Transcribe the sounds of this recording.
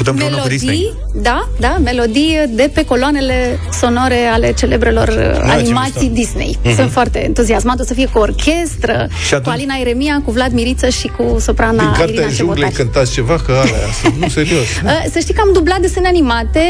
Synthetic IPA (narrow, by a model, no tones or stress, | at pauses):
put̪emmellod̪ij | d̪a | d̪ame̞lo̞d̪ijəd̪e̞pe̞ko̞loane̞le̞ | so̞no̞ɾeale̞t͡ʃe̞le̞bɾe̞lo̞̰rə̰a̰imat̪sid̪isnḛjsunt̪foart̪e̞̰ːnt̪uziasmant̪osəfijekuorkʲʰe̞st̪ɾə̰ | ʃiatkualinaeɾemiakuvlad̪miɾit̪səʃikusopɾanaɨnkaiaaʒeulekɨnt̪at̪sʲt͡ʃe̞vakəalea̰suuseɾiosəsəʃt̪ijkəamd̪ublat̪̚d̪esenanimat̪e̞